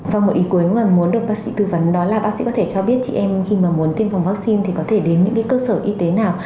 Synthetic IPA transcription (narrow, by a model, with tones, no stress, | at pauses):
vaː˨˩wmo˨˩ʔi˨˦ku˨˦əja˨˩mu˨˦ənɗɨ˨˩t̚aː˦˥k̚sḭ˧˥t̪ɨ˧və˨˦nɗɔ˨˦laː˨˩ɓaː˦˥ḭ˧˥kɔ˨˦t̪ʰt͡ɕɔ˧ɓi˦˥ət̚t͡ɕḭ˧˨ʔɛ˧mxi˧maː˨˩mu˨˦ənt̪i˧əmfwŋ͡mvaː˦˥k̚si˧nt̪ʰi˨˩kɔ˨˦t̪ʰe˧˩ɗe˨˦nɲɨ̰˧˥kaː˨˦kəː˧səː˧˩ʔi˧t̪e˨˦naː˨˩w